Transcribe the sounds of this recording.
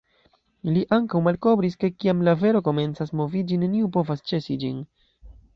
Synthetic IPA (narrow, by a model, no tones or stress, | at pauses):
iliʔaŋkawmalko̞bɾiske̞kiamlave̞ɾo̞ko̞me̞nt͡sasmo̞vid͡ʒineniupo̞vast͡ʃe̞sid͡ʒin